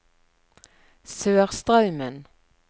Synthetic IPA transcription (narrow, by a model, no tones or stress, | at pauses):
søːʁst̪ʁɑʉmən